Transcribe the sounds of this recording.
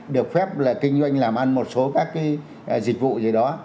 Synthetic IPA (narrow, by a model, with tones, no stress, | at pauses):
ɗɨ˨˩ə˩k̚fɛ˦˥p̚laː˨˩kï˧ŋ̟zwa˧jŋ̟laː˨˩mʔa˧nmo˨˩t̚so˨˦kaː˦˥kːaː˨˦ | zï̟˨˩vṵ˧˨zəː˨˩ɗɔ˨˦